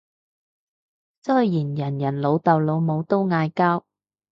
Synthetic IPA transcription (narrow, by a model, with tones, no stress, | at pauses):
sɵ˥jjiː˨˩njɐ˨˩njɐ˨˩nlo˨˧wt̪ɐ˨wlo˨˧wmo˨˧wt̪o˥wŋaː˧jkaː˥w